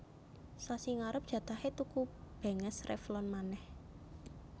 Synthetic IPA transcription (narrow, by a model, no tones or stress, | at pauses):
sasiŋaɾəp̚d̥ʒ̥ä̤t̪ahet̪ukub̥e̤ŋəsrʔḛflɔnmanɛh